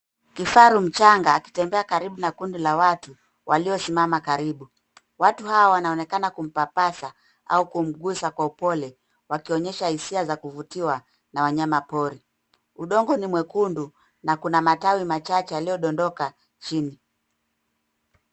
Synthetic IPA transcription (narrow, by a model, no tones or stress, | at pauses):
kifaɾum̩t͡ʃaŋɡaːki̥tɛmbɛakaɾiɓunakundilawatu | waliɔsimamakaɾiɓu | watuɦawawanaɔnɛkanakum̩papasa | a̰ukum̩ɡusakwaupɔlɛ | wakiɔɲɛʃahisiazakuvutiwa | nawaɲamapɔɾi | uɗɔŋɡɔnimwɛkundu | nakunamatawimat͡ʃat͡ʃɛjalijɔɗɔndɔka | t͡ʃini